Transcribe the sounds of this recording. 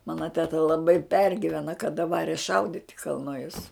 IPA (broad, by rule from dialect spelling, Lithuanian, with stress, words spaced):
ˈmɑːnɐ tʲɛˈtɐ lˠɐˈbɐɪ ˈpʲɛrʲɡʲɪʋʲɛnɐ kɐˈdɐ ˈʋɑːrʲɛ ˈʃɐʊdʲɪtʲ ɪ kɐlˠˈnʊjʊs